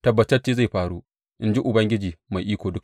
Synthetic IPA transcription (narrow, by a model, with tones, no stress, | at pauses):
tɐ˨bːɐ˨tɐ˦rt͡ʃeː˦za˦˨jɸaː˦ɽu˦ | ʔɪ˦nd͡ʒi˦ʔʊ˨bɐ˦ŋɡʲɪ˦d͡ʒiː˨ma˨jʔiː˦kʷoː˨dʊ˦k